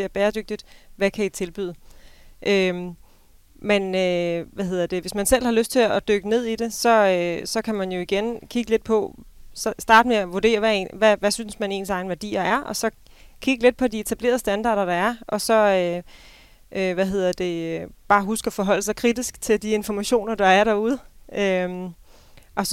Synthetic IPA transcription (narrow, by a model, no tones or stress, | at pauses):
eɐb̥ɛːɐd̥øɡ̥̚d̥id̥ʋækʰæit͡sʰe̝lb̥y̰ðˠʔø | menøʋæɦe̝ð̰ˠɐd̥e̝ʋe̝smænsel̰hɑ̈løsd̥̚t͡sʰe̝lɒd̥øɡ̥əne̝ð̞̰ˠid̥e̝sɒ̽øsɒ̽kʰæmænjo̝iɡ̥enkʰiɡ̥əle̝d̥̚pʰɒ̽sɒ̽sd̥ɑ̈ːd̥meæʋuɐde̝̰ːɐʋæḛnʋæʋæsynsmæne̝̰ːnsɑ̈ɪn̩ʋæɐd̥ḭːɐæɐʔɒ̽sɒ̽ | kʰiɡ̥əle̝d̥̚pʰɒ̽die̝t͡sʰæb̥le̝̰ɐð̞ˠsd̥ænd̥ɑ̰̈ːɾ̥ɐɾ̥ɑ̈æɐʔɒ̽sɒ̽ø | ʔøʋæɦe̝ð̰ˠɐd̥e̝øb̥ɑ̈ːɦusɡ̥əɒfɒ̽ɦɒ̽l̰əsɑ̈ɪkʰʁid̥isɡ̥t͡sʰe̝ld̥ie̝nfɒmæɕo̝̰ːnɐd̥ɑ̈æɐɾ̥ɑ̈uðˠø | ʔɒ̽